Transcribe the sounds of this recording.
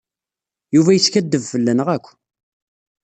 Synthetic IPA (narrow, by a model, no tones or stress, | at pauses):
juvæjət͡sːkæd̪ːəvfəlːænəʁækʷː